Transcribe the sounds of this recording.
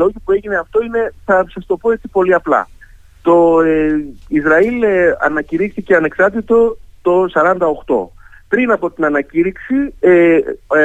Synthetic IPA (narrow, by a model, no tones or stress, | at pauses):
lo̞ʝipue̞ʝine̞ɐft̪o̞ine̞θɐsɐst̪o̞po̞et͡sipo̞liɐplɐ̰ | t̪o̞ | izɾɐilɐ̰nɐciɾixt̪ice̞ɐne̞ksɐɾt̪it̪o̞t̪o̞sɐɾɐnd̪ɐo̞xt̪o̞̰pɾinɐpo̞t̪inɐnɐciɾiksi